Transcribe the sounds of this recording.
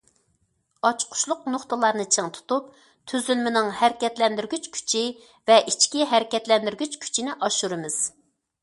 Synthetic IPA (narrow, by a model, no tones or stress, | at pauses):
ɑt͡ʃqʰʊ̥ʃlˠʊqnoχt̪ɨlˠɑɾnɨt͡ʃʰəŋt̪ʰu̥t̪up̚ | t̪ʰyzylmɪnɪŋhæɾɪkʲɛt̪lɛnd̪yɾɡʲyt͡ʃkʲʰy̥t͡ʃʰi | vɛʔit͡ʃkʲiɦæɾɪkʲɛt̪lɛnd̪yɾɡʲyt͡ʃkʲʰy̥t͡ʃʰinɪʔɑʃuɾɨmɪz̥